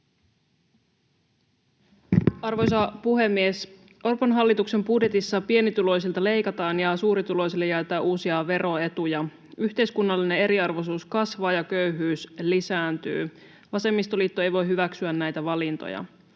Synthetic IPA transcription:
ɑrʋojsɑpuɦe̞mːies | orpɑnɦɑlːit̪ukse̞mbudjet̪isːɑpie̞nit̪ulo̞js̬ilt̪ɑle̞jkɑt̪ɑːnjɑsuːɾit̪ulo̞js̬ilːejæt̪æːʔuːsiɑʋe̞ɾʔo̞e̞t̪ujɑ | yçt̪e̞jskunːɑlːinee̞ɾiɑrʋosuːskɑsʋɑːjɑkø̞yɦyːslisæːnt̪y̰ː | ʋɑse̞mːist̪oliːt̪ːoe̞jʋo̞jɦyʋæksyænnæjt̪æʋɑlint̪o̰jɑ̰

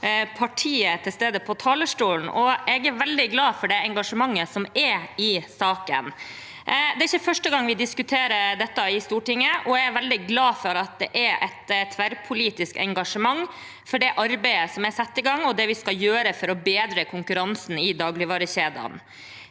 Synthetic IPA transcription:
pʰɑʈʰiːət̪ʰɪlst̪eːd̪əpʰɔt̪ʰɑːləʂʈuːln̩ʔɔɛɡæɾʋɛld̪ɪɡlɑːfɔɖɛɛŋɡɑʂəmɑŋːəsɔmɛɾɪsɑːkə̰n | d̪ɛæɪçːəfœʂʈəɡɑŋʋɪd̪ɪskʉt̪ʰeːɾəd̪ɛt̪ːɑɪst̪uːʈɪŋːəʔɔɛæɾʋɛld̪ɪɡlɑːfɔɾɑt̪̚d̪ɛʔɛɾʔɛt̪t̪ʰʋæɾpʰʊliːt̪ɪskɛ̰ŋɡɑʂəmɑŋ | fɔɖɛʔɑɾbæɪəsɔmɛsɑt̪ːɪɡɑŋːɔd̪ɛʋɪskɑjøːɾəfɔɾɔbeːd̪ɾəkʰʊŋkʉɾɑnsn̩ɪd̪ɑːɡlɪʋɑːɾəɕeːd̪ɑ̰n

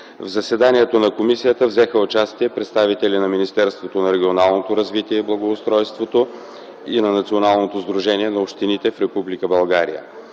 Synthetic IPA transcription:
vzɐsɛd̪aniɛt̪onɐkomisijət̪əvzɛxəʊt͡ʃast̪iɛpɾɛt̪st̪avit̪ɛlʲinɐminist̪ɛɾst̪vot̪onɐɾɛɡʲionalˠnot̪oɾɐzvit̪iɛiblˠɐɡoːst̪ɾɔjst̪vot̪o | inɐnɐt̪sionalˠnot̪ozd̪ɾuʒɛniɛnɐopʃt̪init̪ɛfɾɛpublikəbɐlˠɡaɾḭjə̰

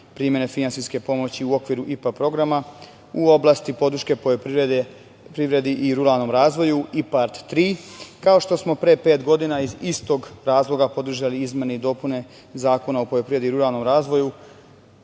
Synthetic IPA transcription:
pɾiːmje̞ne̞finansiske̞po̞mo̞t͡ɕiuo̞kʋiɾuʔipapɾo̞ɡɾama | uo̞blˠast̪ipo̞d̪ɾ̩ʃke̞po | pɾiʋɾe̞d̪iʔiɾuɾalˠno̞ːmɾaːzʋo̞juipaɾt̪ːɾiːkao̞ʃt̪o̞smo̞pɾepe̞ːt̪ɡo̞d̪inaizist̪o̞ɡɾaːzlˠo̞ɡapo̞d̪r̩ʒaliizmeneid̪o̞ːpune̞ | zaːko̞naopo̞jopɾiʋed̪iɾuɾalˠno̞mɾaːzʋo̞ju

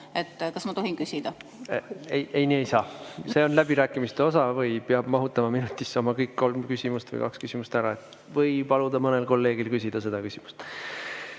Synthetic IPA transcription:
et̪ːkɑsmɑt̪o̞ɦinkysʲid̪̥ɑ | eje̞jniːejsɑːse̞o̞nlæb̥iɾæːkːˑimist̪e̞o̞sɑvɤjpeɑb̥mɑɦut̪ːˑɑmɑminut̪ʲːˑisːo̞mɑkɤjkːo̞lmkysʲimust̪vɤ̰j̰kɑ̰kskysʲimust̪æɾɑet̪ː | vɤjpɑlud̪̥ɑmɤne̞lko̞lːe̞ːɡ̥ilkysʲid̪̥ɑse̞d̪̥ɑkysimu̥st̪

